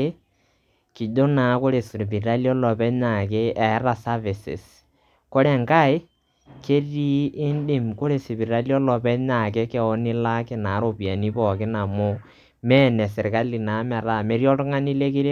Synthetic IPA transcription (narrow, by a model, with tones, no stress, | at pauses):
ki˨do˦na˨˦ko˦ɾe˨sɾpi˨ɾa˦ljɔ˦lɔ˨pɛ˦ɲa˨ke˦ɛ˨˦ɾa˨sa˦vɪ˨sɪ̰˨s | ko˦ɾɛ˨ŋka˦ɪ˦ | ke˦ri˦ɪ˦ndɪ˦mko˦ɾe˨sɪ˨pi˨ɾa˦li˦ɔ˦lɔ˨pɛ˦ɲa˨k̬e˦kɛ˨ɔ˦nɪ˦la˦kɪ˨na˨˦ɾo˦pi˨a˨ni˦pɔ˨kɪ˦na˨mʊ˦ | mɛ˦nɛ˨sɪ˨ɾka˦li˨na˨˦mɛ˨ɾa˦˨me˦ɾjɔ˦tʊ˦ŋa˦ni˦le˦ke˦ɾ